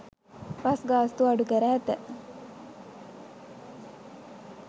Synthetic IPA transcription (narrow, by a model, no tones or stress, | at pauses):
pasɡaːst̪uaɖukəɾæːt̪ə